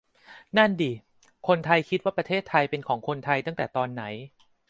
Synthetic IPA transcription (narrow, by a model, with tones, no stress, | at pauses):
na˥˩ndiː˧ | kʰo˧nt̪ʰa˧jkʰi˦˥t̪̚waː˥˩pɾa˧t̪ʰeː˥˩t̪ʰːa˧jpe˧nkʰɔː˩˦ŋkʰo˧nt̪ʰa˧jt̪a˥˩ŋt̪ɛː˨˩t̪ɔː˧nːa˩˦j